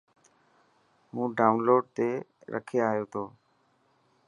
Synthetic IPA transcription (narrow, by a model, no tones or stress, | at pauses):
mũːɖaːʊnloːɖ̚t̪eːɾʔə̰kʰeːaːɦjoːt̪ʰoː